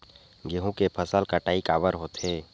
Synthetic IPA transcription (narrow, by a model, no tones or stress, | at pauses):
ɡeɦũkepʰəsəlkəʈaːikaːbəɾɦoːt̪ɦeː